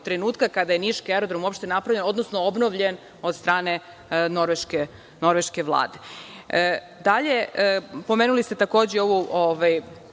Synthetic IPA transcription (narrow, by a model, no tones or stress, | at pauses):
t̪ɾenuːt̪kakad̪ajeniʃkeɾo̞d̪ɾomupʃt̪e̞napɾavʎeno̞d̪nosnoobno̞ʋʎe̞n | o̞d̪st̪ɾaːne̞ | noɾʋeʃke | no̞ɾʋeʃkeʋlˠa̰ːd̪e | d̪aʎe̞po̞meːnulist̪e̞t̪ako̞ːd͡ʑeo̞ʋuʔoʋaj